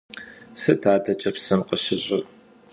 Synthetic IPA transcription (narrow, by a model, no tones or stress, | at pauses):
sɨtʰaːdɐt͡ʃʼɐpsɨmqʼəɕɪɕʼɪr